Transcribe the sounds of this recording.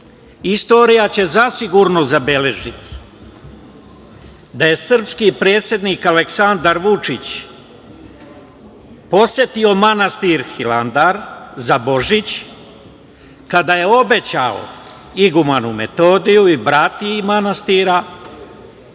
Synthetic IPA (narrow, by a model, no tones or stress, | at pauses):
ist̪o̞ːɾijat͡ɕe̞zasiɡuɾno̞zabe̞le̞ʒit̪i̥ | d̪aje̞sr̩pskipɾe̞ːt̪sʲje̞d̪niːkale̞ksand̪aɾʋut͡ʂit͡ɕ | po̞sje̞t̪io̞manast̪iɾxiland̪aɾzabo̞ʒit͡ɕ | kad̪aje̞o̞be̞t͡ɕa̰o̰ | iɡumanume̞t̪o̞ːd̪ijuibɾat̪imanast̪iɾa